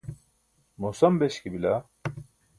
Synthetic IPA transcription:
mosɐmbeʃkibila

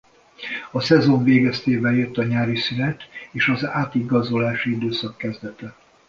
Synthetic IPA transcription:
ɒsɛzo̞ɱveːɡɛst̪eːvɛljøt̪ːɒɲaːɾisynɛt̪eːʃɒzaːt̪iɡɒzo̞laːʃiid̪øːsɒkːɛzd̪ɛt̪ɛ

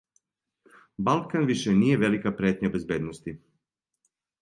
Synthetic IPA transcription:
balˠkanʋiʃenije̞ʋe̞likapɾeːt̪ɲabe̞zbjed̪nost̪i

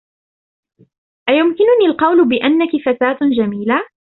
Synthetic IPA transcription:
ʔajʊmkɪnʊniːlqɑwlʊbɪʔanːakɪfat̪aːt̪d͡ʒamiːla

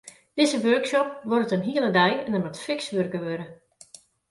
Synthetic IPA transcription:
d̥ɪzəʋørksɔp̚ʋɔrtənɦiəlˠədɛjɛndəmatfɪksʋørkəʋøɾə

